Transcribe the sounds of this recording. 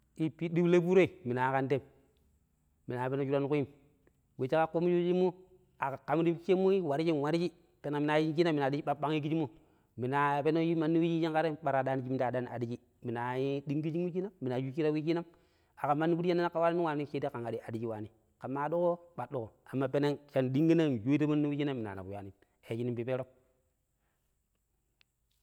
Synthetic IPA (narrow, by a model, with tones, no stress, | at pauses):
i˦pi˦di˦ble˦bu˦ɾe˦i˨mi˨na˨˦ka˦nte˦m | mi˨na˨pe˦no˦d͡ʒu˦ɾa˦nu˦ku˦i˦m | we˨t͡ʃi˦ka˦ko˦mu˦d͡ʒu˦i˦mːu˦ | a˨ka˨ka˨m˦di˦bt͡ʃe˦mːu˦i˦wa˨ɾi˦d͡ʒi˦n˨wa˨ɾi˦d͡ʒi˦ | pe˨na˨mi˨na˨ji˦ŋd͡ʒi˦na˦mːi˨na˨di˦i˦a˦ɓa˦ŋi˦ki˦d͡ʒi˦mu˦ | mi˨na˨pe˦no˦ji˦ma˨nːi˦wi˦d͡ʒi˦ji˦ŋka˦ɾe˦ɓa˨ɾa˨da˦ni˦d͡ʒi˦m˦ta˨da˦n˨a̰˨di˦d͡ʒi˦ | mi˨na˨ji˦di˦ŋɡi˦d͡ʒi˦ŋwi˦ki˦na˦mːi˨na˨ju˦t͡ʃi˦ɾa˦wi˦ki˦na˦m | a˨ka˨ma˦nːi˦bu˦ɾa˦na˦a˦ka˨wa˦ni˦ni˦wa˨ni˦t͡ʃe˦di˦ka˨ŋa˨di˦a˨di˦ki˦wa˨ni˨ | ka˨mːa˦˨du˦ko˦ɓa˨du˦ko˨a˨mːa˦pe˦ne˦ŋʃa˦ndi˦ŋɡi˦na˦n˨ju˦i˦ti˦ma˦nː˦i˦wi˦d͡ʒi˦na˦mːi˨na̰˨na̰˨bu˨ja̰˨ni˨ | e˨t͡ʃi˦ni˦mpi˨pe˦ɾo˦